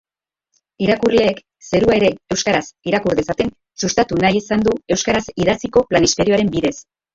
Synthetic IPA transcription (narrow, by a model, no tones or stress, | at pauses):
iɾakurle̞ːk | se̞ɾuae̞ɾe̞e̞wskaɾasiɾakuɾðesat̪e̞n | sust̪at̪unajisand̪ue̞wskaɾasiðasiko̞planist̪e̞ɾio̞aɾe̞mbiðe̞s